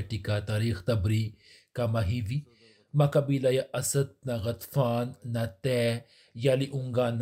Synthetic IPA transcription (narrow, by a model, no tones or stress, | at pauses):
ʈikat̪aːɾiːxt̪ɐbɾi | kamɐɦiʋi | makɐbiːlajaʔɐsɐd̪̚naɣɐt̪faːnːat̪ɛ | jaːliʔuŋɡaːnː